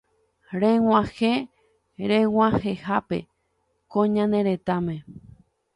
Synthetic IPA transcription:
ɾẽwãhẽ | ɾẽwãhehapḛ | kõɲãnẽɾet̪amẽ

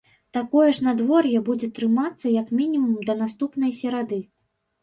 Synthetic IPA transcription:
t̪akɔjɛʂnad̪vɔrjɛbud͡zʲɛt̪ɾɨmat̪sːɐjɐkmʲinʲimumd̪ɐn̪ast̪upnɐjsʲɛɾad̪ɨ

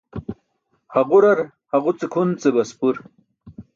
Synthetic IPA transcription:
haʁuɾɐɾ | haʁut͡sekʰunt͡sebɐspuɾ

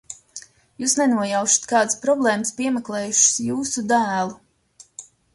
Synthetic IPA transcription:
juːsnɛnuɔjawʃḁt̪kaːd̪spɾɔblˠɛːmspiɛmɛklˠɛːjuʃɪ̥sjuːsud̪æːlˠu

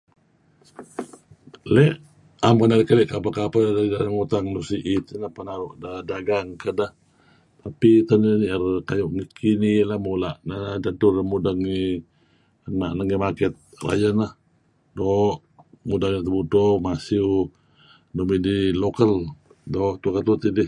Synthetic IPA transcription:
lɛʔ | ampanaɾikəlɛʔkapakapadaidaɾaŋut̪aŋnusiʔit̪ənahpanaɾuʔdadaɡaŋkədah | t̪apit̪ənniərkajɔʔŋikʰinilahmolaʔnad͡ʒat̪uramudaŋi | naʔnaŋimakɛt̪̚ra̰jənah | dɔʔ | mudaŋit̪əbutɔmasiu | nomidilokəl | dɔht̪ukat̪ut̪idɪh

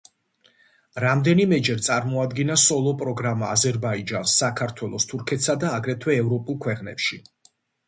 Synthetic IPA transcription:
ɾamd̪ɛnimɛd͡ʒɛɾt̪sʼaɾmɔad̪ɡinasɔlˠɔpʼɾɔɡɾamaːzɛɾbaid͡ʒansːakʰaɾt̪ʰwɛlˠɔst̪ʰuɾkʰɛt̪ʰsad̪aːɡɾɛt̪ʰwɛːvɾɔpʼulˠkʰwɛqʼnɛ̰pʃi

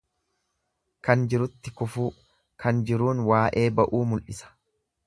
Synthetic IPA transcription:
kɐnd͡ʒɪɾʊt̪ːɪkʊfuː | kʰɐnd͡ʒɪɾuːnwaːʔe̞ːbɐʔuːmʊlʔɪsɐ̥

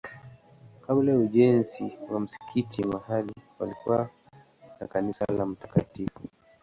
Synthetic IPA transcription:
kablajauʄɛnziwam̩si̥kʰitʰimahaliwalikuwa | na̰kanisa̰lam̩tḁkatifu

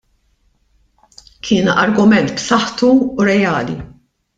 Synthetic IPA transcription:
kʰɪːnɐɾɡʊmɛnt̪psɐħt̪uːɾɛjɐːlḭ

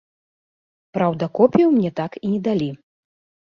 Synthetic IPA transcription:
pɾawd̪ɐkɔpʲiwmnʲɛt̪akinʲɛd̪alʲi

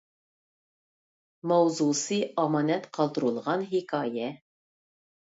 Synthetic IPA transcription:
mɑwzusiɑmɑnæt̪qɑlˠd̪ɤ̆ɾulˠʁɑnɦikɑjæ

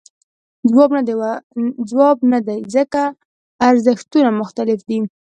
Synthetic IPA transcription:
d͡zwɑb̪ | d͡zwɑbnad̪ajzəkaː | ɾzəxt̪unamʊxt̪alɪfd̪i

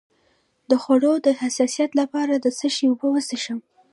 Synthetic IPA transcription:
d̪əxwaɽod̪əhasɑsijat̪lapɑɾad̪əsəʃewbəwəseʃəm

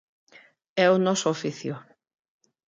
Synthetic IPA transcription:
ɛʊnɔsʊofiθjʊ

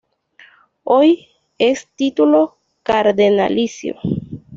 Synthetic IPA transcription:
oj | estitulo̞ | kaɾdena̰lisj̰o̰

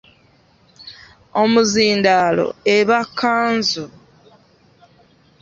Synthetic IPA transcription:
omuziːndalo̰eβakʰːaːnzu

